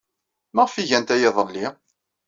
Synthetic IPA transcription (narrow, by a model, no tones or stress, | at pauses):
məʁfiʝænt̪æjɪðˤəlːi